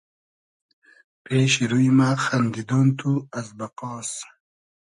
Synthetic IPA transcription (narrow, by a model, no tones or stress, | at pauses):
peːɕiɾujimaxɐnd̪id̪ont̪ʰuɐzbɐqɔːs